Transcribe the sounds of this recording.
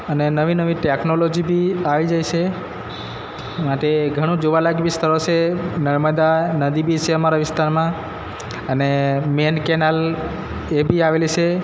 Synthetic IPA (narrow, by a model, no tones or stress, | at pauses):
ənenəʋinəʋiʈeknolod͡ʒibʱiaʋid͡ʒajt͡ʃʰe | maʈeɡʱəɽ̃ũd͡ʒoʋalaɡʋist̪əɾot͡ʃʰenəɾməd̪anəd̪ibʱit͡ʃʰeəmaɾaʋɪst̪aɾmã | ənemenkɛnal | ebʱiaʋelit͡ʃʰe